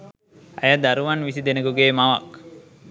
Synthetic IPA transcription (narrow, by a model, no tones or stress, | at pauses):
a̰jad̪aɾuʋanʋisid̪enəɡuɡeːmaʋa̰k